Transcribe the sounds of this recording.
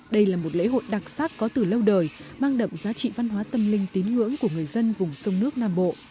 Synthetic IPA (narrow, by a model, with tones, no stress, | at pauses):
ɗə˧jlaː˨˩mo˨˩t̚lḛ˧˥ɦo̰˧˨jɗa˨˩k̚saː˦˥k̚kɔ˨˦t̪ɨ˨˩lə˧wɗəː˨˩jmaː˧ŋɗə̰˧˨mzaː˨˦t͡ɕḭ˧˨va˧nɦwaː˨˦t̪ə˧mlï˧ŋ̟t̪i˨˦nŋɨ̰˧˥əŋku˧˩əŋɨ˨˩əjzə˧nvʊ˨˩ŋ͡msə˧wŋ͡mnɨ˦˥ək̚naː˧mɓo̰˧˨